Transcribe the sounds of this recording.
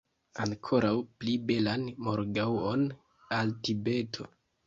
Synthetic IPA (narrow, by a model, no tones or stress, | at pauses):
aŋkʰo̞ɾawplibe̞lanmoɾɡawon | altibe̞tʰo̞̰